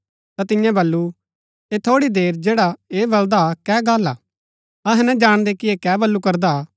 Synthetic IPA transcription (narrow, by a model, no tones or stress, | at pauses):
t̪at̪ɪjɛ̃bɐlːu | et̪ʰoːɽid̪eːɾd͡ʒeːɽaeːbɐld̪akɛːɡaːlaː | ɐɦɛ̃nɛ̃d͡ʒaːɽ̃d̪ekieːkɛːbɐlːukɐɾd̪a